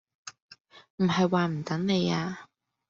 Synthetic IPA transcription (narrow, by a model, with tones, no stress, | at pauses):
m̩˨˩ɦɐ˨jwaː˨˧m̩˨˩t̪ɐ˨˥ŋne˨˧jaː˧